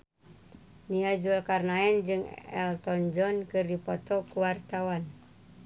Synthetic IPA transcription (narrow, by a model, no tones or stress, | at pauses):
niad͡ʒulkarnaɛnd͡ʒɨŋɛ̰lt̪ɔnd͡ʒɔnkɨrdipɔt̪ɔkuwart̪awan